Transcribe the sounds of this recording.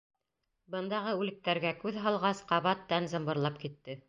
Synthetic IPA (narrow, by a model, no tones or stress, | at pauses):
bɤ̆nd̪ɑʁɤʉlɘ̆k̚t̪æɾɡækʉðɦɑlˠʁɑsqɑβɑt̪ːænzɤ̆mbɤ̆ɾlˠɑp̚kit̪ːɘ